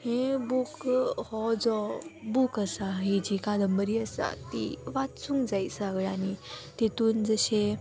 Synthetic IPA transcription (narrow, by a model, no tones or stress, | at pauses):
hẽbukhɔd͡zɔbukəsaɦid͡ʑikad̪əmbəɾiəsa̰t̪ḭʋat̪sũŋɡd͡zajsaɡɭanit̪et̪uːnd͡zəɕe